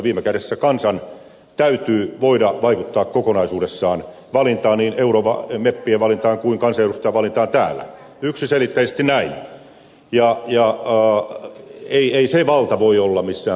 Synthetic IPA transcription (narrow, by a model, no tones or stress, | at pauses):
ʋiːmekæɾesːækɑnsɑn | t̪æyt̪yːʋoidɑʋɑikut̪ːɑːkkokonɑisuːdesːɑːn | ʋɑlint̪ɑːnniːneuroːʋɑ̰mepːieʋɑlint̪ɑːŋkuiŋkɑnsɑeɾust̪ɑjɑʋɑlint̪ɑːnt̪æːlːæ̰ | yksiselit̪ːæisest̪inæin | jɑjɑ | eieiseʋɑlt̪ɑʋoiolːɑmisːæː